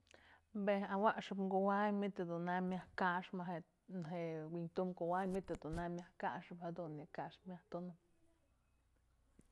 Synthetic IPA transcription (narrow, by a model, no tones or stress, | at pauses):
beawaʔʂɨpŋɡowajmit̪ed̪unamʲahkaʂmaɦe | naɦeʔwint̪umkowajmit̪ed̪unamʲahkaʂɨphed̪unːikaʂmjaht̪unɨp̚